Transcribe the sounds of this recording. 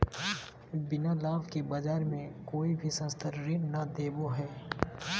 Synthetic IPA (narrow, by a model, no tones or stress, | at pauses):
bɪnalaːʋkebad͡ʒaːɾmẽkoːibʱisə̃nst̪ʰəɾɾɪnnad̪eːboɦɛː